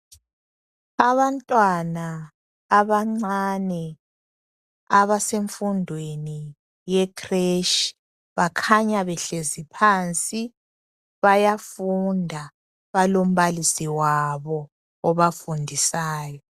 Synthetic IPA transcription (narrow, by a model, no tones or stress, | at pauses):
aβantʼwanaː | βaŋ͡ǀanɛ | aβaseɱfundʱweni | jɛkʰʼreʃi̥ | βakʰaɲaβɛɬezipʰaːnt͡sʼi | βajafundʱa | βalom̩βalisiwaβɔː | βafundʱisaːjɔ